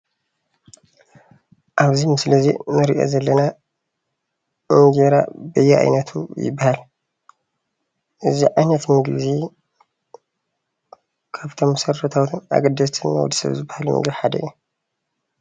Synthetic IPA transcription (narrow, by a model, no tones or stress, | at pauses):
ʔaβzimɨsɨlɐzinɨɾiʔo̰zɐlːɐna | mɨɡeɾa̰bɐjːɛʔa̰jnɐt̪ʰṵjɪ̰bːahal | ʔɨziʕajnɐt̪mɨɡlɨzi | kʰaβt̪ʰomːɨsɐɾːɐt̪ʰawt̪ʰɨna̰ɡɐd̪ːɐst̪ʰɨnːa̰w̰d̪isɐ̰βzɨbːahalmɨ̰ŋɡiħad̪ɐ̰jːo